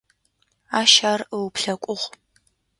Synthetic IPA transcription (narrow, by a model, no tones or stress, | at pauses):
aːʃaːrəwpɬɐkʷʼʊʁʷ